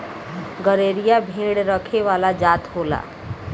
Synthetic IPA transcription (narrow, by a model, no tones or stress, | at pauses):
ɡəɾeːɾijabʱẽːɽɾəkʰeʋaːlad͡ʒaːt̪ɦoːla̰ː